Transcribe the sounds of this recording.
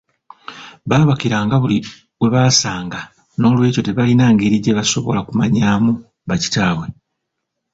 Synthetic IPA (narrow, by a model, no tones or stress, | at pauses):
βaːβakiɾaːŋɡaβuli | we̞βaːsaːŋɡa | no̞ːlwe̞ːco̞te̞βalinaːŋɡe̞ɾiɟe̞βaso̞βo̞̰lakumaɲaːmu | βaci̥taːβwe̞